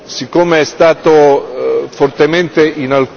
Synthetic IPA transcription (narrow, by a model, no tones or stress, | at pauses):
sikːoːmeɛst̪aːt̪o | fort̪ement̪eʔinalk